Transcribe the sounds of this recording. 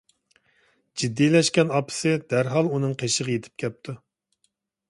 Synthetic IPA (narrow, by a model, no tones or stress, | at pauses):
d͡ʒid̪ːilɛʃkʲɛnɑpʰɨ̥sɨd̪̥æɾɦɑlˠunɨŋqʰeʃəʁjet̪ʰɪ̥p̚kʲɛp̚t̪ʰu